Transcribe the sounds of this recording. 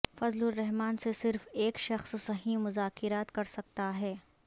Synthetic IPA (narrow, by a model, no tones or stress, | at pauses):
fɐzlʊɾːɛɦmaːnsesɪɾfeːkʃɐxssɐɦĩmʊzaːkɪɾaːt̪kɐɾsɐk̚t̪aɦɛː